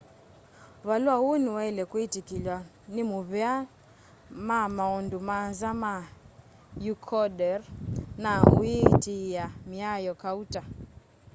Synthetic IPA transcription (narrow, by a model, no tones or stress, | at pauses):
βaluahuniwɛilɛkwitikilwa | nimuβɛa | mamaɔndumanzama | jukʰɔɗɛɾnauitijamiajɔkauta